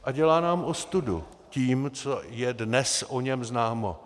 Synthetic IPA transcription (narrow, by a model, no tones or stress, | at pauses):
ʔaɟɛlaːnaːmʔost̪udṵ | ciːmt͡sojɛdnɛsʔoɲɛmznaːmo̰